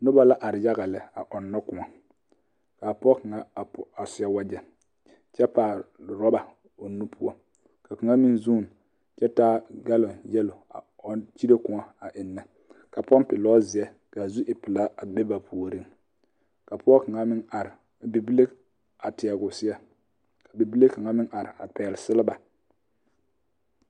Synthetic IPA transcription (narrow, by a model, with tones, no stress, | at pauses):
nʊ˦ba˦la˦ʔa˨ɾɪ˨ja˦ɣa˨lɪ˨a˨ʔɔ˨nːɔ˦kʊ˨ŋa˨ | kaː˨pɔ˦ka˨ŋa˨a˨pʊ˨a˨sʊ˨˦a˦wa˦d͡ʒɛ˨ | t͡ʃɛ˦paː˨ɾɔ˦ba˨ | o˨nːu˦pʰu˦ɔ˦ | ka˨ka˨ŋa˦mɪ˦nzuː˦˨m | t͡ʃɛ˦taː˦ɡa˦lɔ˨njɛ˦lʊ˨a̰˨ | ɔ˦nt͡ʃi˦ɾe˦kʊ˨ŋa˨a˨ʔɪ˨nːa˨ | ka˨pɔ˦npɪ˨lɔː˦zɪ˨ɛ˦ | ka˨zu˦ʔɪ˨pɪ˨la˦a˨bɛ˦ba˨pʰu˨o˨ɾi˦ŋ | ka˨pʊ˦ɔ˦ka˨ŋa˦mɪ˦na˨ɾɪ˨ | bi˨bi˦le˦ | a˨tɪ˨a˨ɡʊ˨sɪ˦ɛ˦ | ka˨bi˨bi˦le˦ka˨ŋa˦mɪ˦ŋʔa˨ɾɪ̰˨a̰˨pɛː˨lsɪ˦lɪ˦ba˨